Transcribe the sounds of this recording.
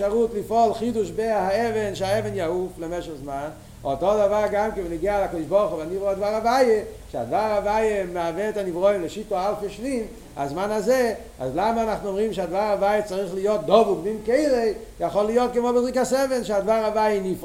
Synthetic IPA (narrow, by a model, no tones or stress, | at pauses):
aʁutlifɔlχiduʃbehaɛvɛnʃeaɛvɛnjauflɛmɛʃəχzman | otodavaʁɡamkɪnvɪniɡiaalakɔdɪʃbɔʁχubanivʁɔadvaʁavajeʃea̰dvaʁavajemavɛːtanivʁoimləʃitoalfeʃnim | a̰zmanazɛ | a̰zlamanaχnuɔmʁimʃeadvaʁavajət͡saʁiχlijot̚d̪ɔvuɡmimkeɪlejaχolijot̚kəmobezʁikasɛvɛnʃeadvaʁavajənif